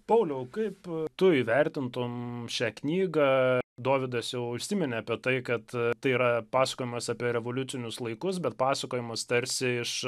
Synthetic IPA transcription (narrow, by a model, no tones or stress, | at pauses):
pɐʊlʲɛʊkɐɪpt̪ʊiːʋʲɛɾʲt̪ʲɪnt̪omʃʲæːknʲiːɡɑːd̪oːʋʲɪd̪ɐsjɛʊʊʃʲsʲɪmʲɛnʲɛɐpʲiɛt̪ɐɪkɐt̪t̪ɐɪiːɾɐpɑːsɐ̥koːjɪmɐsɑːpʲiɛɾʲɛʋolʲʊt̪sʲɪnʲʊslˠɐɪkʊs̬bʲɛt̪̚pɑːsɐkoːjɪmɐst̪ɐɾʲsʲɪɪʃ